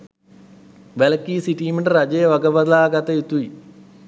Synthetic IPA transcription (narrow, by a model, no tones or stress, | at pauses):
ʋelɐkːiːsiʈiːmeɳɖɐɾɐd͡ʑejʋɐɡɐbɐd̪laːɡɐt̪ːɐit̪ːui